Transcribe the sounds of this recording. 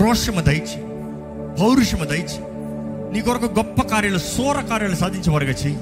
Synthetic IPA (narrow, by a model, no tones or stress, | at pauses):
ɾoːʂɐmɐd̪ɐjt͡ʃ | bʱɐwɾuʂɐmɐd̪ɐjt͡ʃ | niːkɔɾɐkːɐɡɔpːɐkaːɾjɐlɐsɔːɾɐkaːɾjɐlɐsaːd̪ʱiɲt͡ʃɐʋɐɾɡɐt͡ʃe